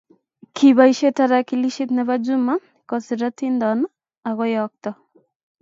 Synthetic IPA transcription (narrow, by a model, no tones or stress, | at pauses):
kʰibajʃet̪aɾakiliʃit̪nɛβad͡ʒuma | kɔsiɾat̪ʰind̪ɔn | aɣɔjɔk̚t̪ɔ